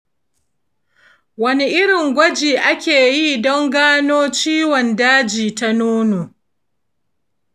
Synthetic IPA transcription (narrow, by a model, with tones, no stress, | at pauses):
wɐ˦ni˦ʔɪ˦ɽɪ˨ŋɡʷɐ˦d͡ʒiː˨ʔa˦kʲeː˨ji˦˨dɔ˦ŋɡaː˦noː˦t͡ʃiː˦wɔ˨ndaː˦d͡ʒiː˨ta˦nuː˦noː˨